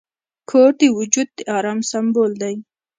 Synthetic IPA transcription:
kʰoɾd̪ewʊd͡ʒud̪̚ːeɑɾɑːmsambold̪aj

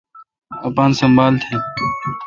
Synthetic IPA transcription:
ɐpãːnsɐmbaːlt̪ʰeː

